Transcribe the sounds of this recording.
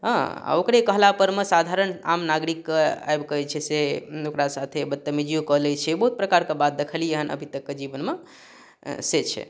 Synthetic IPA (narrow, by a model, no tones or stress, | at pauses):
ɦə̃a̰okɾekəɦlapəɾmesad̪ʱaɾəna̰mnaɡɾikːea̰jbkəɦɛt͡ʃʰɛseokɾasat̪ʰebət̪ːəmid͡ʒijukəɦlɛt͡ʃʰɛbəɦut̪̚pɾəkaɾkebat̪̚d̪ekʰəlijeɦənʔə̰bʱit̪əkːed͡ʒibənme | set͡ʃʰɛ̰